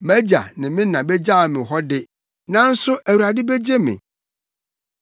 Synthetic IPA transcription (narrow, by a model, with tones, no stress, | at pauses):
mæ˦d͡ʑa̰˨nɪ̃˨mɪ̃˦nã˨bɛ˦d͡ʑa˦˨mɪ̃˨ɦɔ˦dɪ˦ | nã˦n̩˦sʊ˦ʔæ˨wu˨ɾa˨dɪ˦be˦d͡ʑe˦mɪ̰̃˨